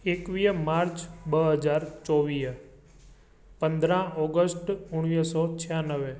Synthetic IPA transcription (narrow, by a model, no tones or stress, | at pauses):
ekʋijəmaɾt͡ʃbəɦəd͡ʒaɾt͡ʃɔʋij | pənd̪ɾãɔɡəsʈuɳ̃ʋisɔt͡ʃʰijanəʋe